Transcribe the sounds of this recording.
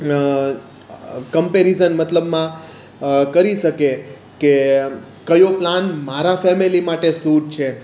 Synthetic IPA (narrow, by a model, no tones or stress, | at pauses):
kəmpeɾizənmət̪ləbmã | kəɾiʃəke | ke | kəjoplanmaɾãfɛmilimaʈesuʈt͡ʃʰe